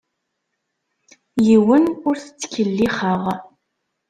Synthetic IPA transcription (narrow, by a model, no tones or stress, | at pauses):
jɪwənʊɾθt͡skʰəlːiχɑʁ